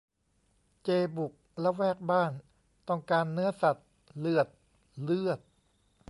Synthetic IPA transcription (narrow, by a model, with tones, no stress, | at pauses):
t͡ɕeː˧bu˨˩k̚lɛ˦˥wɛː˥˩k̚baː˥˩n | t̪ɔ˥˩ŋkaː˧nːɯ˦˥ɐsa˨˩t̪̚ | lɯ˥˩ət̪̚ | lɯ˥˩ət̪̚